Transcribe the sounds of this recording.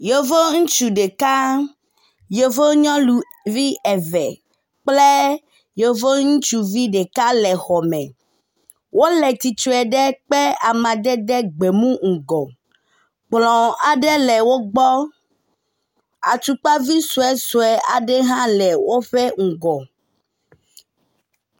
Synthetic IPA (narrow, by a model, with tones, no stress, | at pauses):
jo˨vo˦ŋũ˦t͡ʃu˨ɖe˨ka˦ | jo˨vo˦ɲɔ̃˦lu˨ | vi˦ɛ˨vɛ˨ | k͡ple˦ | jo˨vo˦ŋũ˦t͡ʃu˦vi˦ɖe˨ka˦lɛ˨xɔ˨mɛ̃˨ | wʔo˦lɛ˨t̪i˨t͡ʃu˦ɛ˨ɖɛ˦k͡pɛ˦a˨mã˨d̪ɛ˦d̪ɛ˦ɡ͡be˨mũ˦ŋ̩˨ɡɔ˨ | k͡plɔ̃˨a˨ɖe˦lɛ˨wo˦ɡ͡bɔ˦ | a̰˨t̪u˨k͡pa˦vi˦su˨ɛ˦su˨ɛ˨a˨ɖɛ˦ɦã˦lɛ˨wo˦ɸɛ˦ŋ̩˨ɡɔ˨